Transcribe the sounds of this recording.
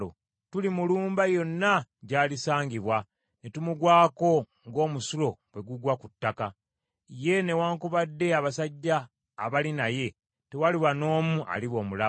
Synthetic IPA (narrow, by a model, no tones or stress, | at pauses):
o̰ | tulimuluːmbajo̞nːaɟaːlisaːɲɟiβwa | netumuɡwaːko̞ | ŋɡo̞ːmusulo̞bwe̞ɡuɡwakutːaka | je̞ne̞waːŋkuβadːe̞aβasaɟːaː | βalinaje̞ | te̞waliwano̞ːmuʔa̰liβo̞ːmula